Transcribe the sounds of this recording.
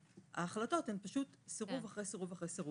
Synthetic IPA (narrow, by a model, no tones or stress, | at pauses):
a̰ːχlato̞thempaʃut̪seʁuvaχʁejseʁuvaχʁejseʁu